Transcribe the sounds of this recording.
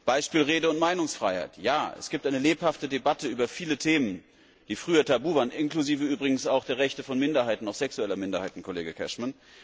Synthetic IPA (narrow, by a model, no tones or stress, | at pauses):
b̥aɪʃpiːlʁeːdəʊntmaɪnʊŋsfʁ̥a̰ɪha̰ɪtjaːɛ̰sɡ̥iːp̚tʔaɪnəleːphaftədebatəyːbɐfiːlətʰeːmən | d̥iːfʁ̥yːɐtʰabuːvaːnʔɪnkl̥uziːvəyːbʁɪɡŋ̩saʊxd̥eːɐʁɛçtəfɔnmɪndɐhaɪtn̩aʊxz̥ɛksuɛlɐmɪndɐhaɪtn̩kʰɔleːɡəkʰɛ̰ʃman